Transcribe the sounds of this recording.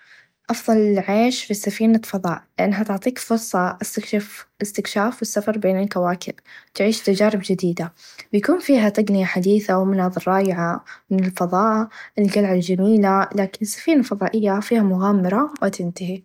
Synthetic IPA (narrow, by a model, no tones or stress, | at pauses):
ʔɑfðˤɑlɪʕeːʃfisːafiːnafɑðˤɑ̰ːʔlɪʔanːɦat̪ʊʕt̪ˤiːkfʊɾsˤɑʔast̪akʃafɪst̪ɪkʃaːfwɪsːafɑɾˤbeːnɪlkawaːkɪ̰lt̪ʕiːʃt̪ad͡ʒaːɾɪbd͡ʒɪd̪iːd̪abɪjakuːnfiːɦat̪aɡnɪjaħad̪iːθawmʊnɑːðˤɨɾˤːɑːjɪʕamɪnɪlfɑðˤɑːʔɪlɡalʕald͡ʒamiːlalaːkɪnɪsːḁfiːnalfɑðˤɑːʔɪjːafiːhamʊɣaːmːɪɾˤɑwɪt̪ɪnt̪ahi